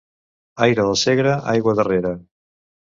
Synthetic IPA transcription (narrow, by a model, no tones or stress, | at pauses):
ajɾəðəseɣɾəʔajɣwəðəreɾə